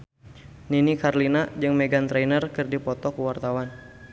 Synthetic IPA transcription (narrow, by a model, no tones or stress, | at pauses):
ninikarlinad͡ʒɨŋmeɡant̪ɾɛnərkɨrdipɔt̪ɔkuwart̪awan